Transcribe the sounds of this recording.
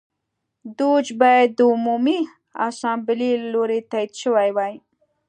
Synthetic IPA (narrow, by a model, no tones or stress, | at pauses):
d̪ud͡ʒbajad̪̚ːəʊmumi | a̰sɑ̃mbɪliloɾet̪ajid̪ʃəwajwaj